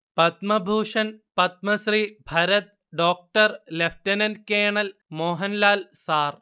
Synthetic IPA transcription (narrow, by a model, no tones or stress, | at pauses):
pɐt̪mɐbʱuːʂɐnpɐt̪̚mɐsɾibʱɐɾɐt̪̚ | ɖoːk̚ʈɐɾlefʰʈɐnɐnkeːɳɐlmoːɦɐnlaːlsaːr